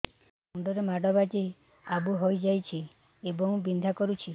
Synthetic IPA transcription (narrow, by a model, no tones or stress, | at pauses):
uɳɖɔɾemaɖɔbad͡ʒi | abuɦojd͡ʒajt͡ʃʰi | ebɔŋbind̪ʱakɔɾut͡ʃʰi